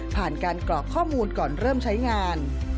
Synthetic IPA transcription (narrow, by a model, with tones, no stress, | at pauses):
pʰaː˨˩nkaː˧nklɔː˨˩kʰːɔː˥˩muː˧nkɔː˨˩nɾɤː˥˩mt͡ɕʰa˦˥jŋaː˧n